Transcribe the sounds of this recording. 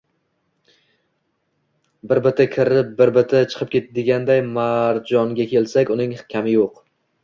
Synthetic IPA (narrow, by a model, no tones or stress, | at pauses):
bɪɾbɪt̪ʰɪkʲʰɪɾɪp̚bɪɾbɪt̪ʰɪt͡ʃʰɨ̥qʰɨp̚kʲe̞t̪ʰad̪ɪɡʲand̪ajmaɾd͡ʒɒŋɡʲakʲʰe̞lsakʲʊnɪŋkʲʰamɪjoq